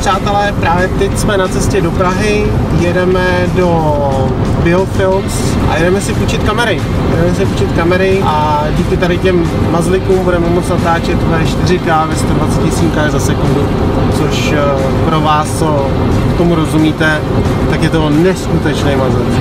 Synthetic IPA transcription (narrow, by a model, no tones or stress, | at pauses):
pr̝aːt̪ɛlɛpɾaːvjɛt̪ɛcsmɛnat͡sɛscɛdo̞pɾaɦɪ | jɛdɛmɛdo̞ | bɪofɪlms | ʔa̰jɛdɛmɛsɪfut͡ʃɪt̪kamɛɾɪ | jɛdɛmɛsɪfu̥t͡ʃɪt̪kamɛɾɪʔa | ɟiːkɪt̪aɾɪcɛmː | azlɪkuːmbudɛmɛmot͡snat̪aːt͡ʃɛt̪vaɪʃt̪ɪrɪkaːvɪst̪odvat͡sɛcɪsiːŋkajzasɛkundu | t͡so̞ʃ | pɾo̞vaːs | kt̪o̞muɾo̞zumiːt̪ɛ | t̪akjɛt̪o̞nɛskut̪ɛt͡ʃnejmazlɪk